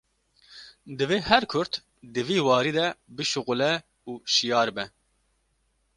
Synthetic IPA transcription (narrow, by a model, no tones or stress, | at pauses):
d̪ɨveːhɛɾkʰʊɾt̪ | d̪ɨviːwɑːɾiːd̪ɛbɨʃʊqʊlɛ | uːʃijɑːɾbɛ